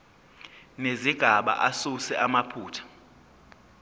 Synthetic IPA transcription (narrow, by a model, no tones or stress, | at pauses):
neziɡ̥ʱaɓa̰ʔasusɛʔamapʰuːtʰḁ